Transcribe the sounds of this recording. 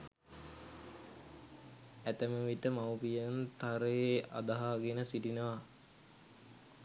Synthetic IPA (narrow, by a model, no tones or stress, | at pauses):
æt̪əməʋit̪əmawpijənt̪aɾəjeʔa̰d̪aɦaːɡenəsiʈinəʋa